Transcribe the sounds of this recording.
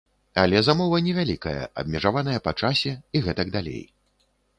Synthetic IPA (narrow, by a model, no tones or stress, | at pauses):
a̰lʲɛzamɔvɐnʲɛvʲalʲikɐjɐ̰ʔɐ̰b̚mʲɛʐavanɐjɐpat͡ʂasʲɛiɣɛt̪ɐɡd̪alʲḛj